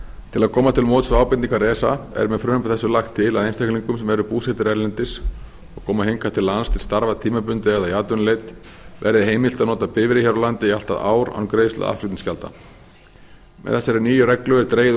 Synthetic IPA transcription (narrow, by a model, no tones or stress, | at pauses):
t̪ʰɪlaðkʰɔːmat̪ʰɪlmowt̪sfɾaːwpɪt̪nikaɾɛːsaɛ̰ɾmɛðfɾʏːnʏpʰaθɛsːʏlaxt̪ʰːɪlaðejnst̪ʰajkliŋkʏmsɛmɛɾʏpuːsɛt̪ɪɾɛɾlɛnt̪ɪs | ɔkʰɔːmahejŋkat̪ʰɪlanst̪ʰɪlst̪aɾvat̪ʰiːmapʏnt̪ɪɛɣðajaːt̪ʏnlejt̪ | vɛ̰ɾðɪɦeːjmɪlt̪aðnɔːt̪apɪvɪɾɪçaɾawlant̪ɪial̥t̪aða̰ːwɾa̰wnkɾeːjst̪a̰ða̰fɾɪikt̪inscalt̪a̰ | mɛ̰ɛsːɛɾɪniːjʏrɛklʏɛɾt̪ɾeːjɪ